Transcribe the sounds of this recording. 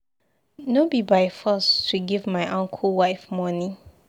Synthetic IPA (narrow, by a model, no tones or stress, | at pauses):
nobibaɪfɔstʰuɡivmaɪʔɔ̃ŋkʰəlˠwaɪfmɔni